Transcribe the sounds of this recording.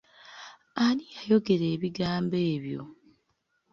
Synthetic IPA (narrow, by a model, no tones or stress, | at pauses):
alijajo̞ɡe̞ɾe̞ːβiɡaːmbe̞ːβjo̰